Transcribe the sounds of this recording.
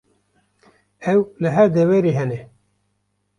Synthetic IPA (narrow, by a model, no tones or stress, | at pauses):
ɛwlɨɦæɾd̪ɛwɛɾiɦɛnɛ